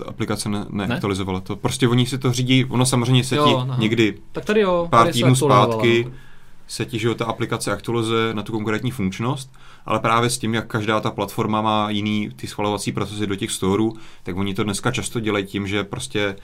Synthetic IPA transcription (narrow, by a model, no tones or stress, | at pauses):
t̪aʔa̰plɪkat͡sɛnɛnɛʔakt̪ualɪzo̞valat̪opɾoscʲɛvo̞ɲɪsɪt̪oriːɟiːvonos̬amor̝ɛjmɲɛsɛɪɲɛɡdɪ | akadɪjopaːɾt̪iːdnuːs̬paːt̪kɪ | sɛcɪʒɛot̪aʔaplɪkat͡sɛʔakt̪ualɪzujɛnat̪uko̞ŋkɾɛːt̪ɲiːfuŋkt͡ʃno̞st̪̚ | ʔa̰lɛpɾaːvjɛscɪmjakːaʒdaːt̪aplat̪fo̞ɾmamaːjɪniːt̪ɪsxvalo̞vat͡siːpɾot͡sɛsɪdo̞cɛxst̪oːɾuːt̪aɡvo̞ɲɪt̪odnɛskat͡ʃast̪o̞ɟɛlajicɪmʒɛpɾoscɛ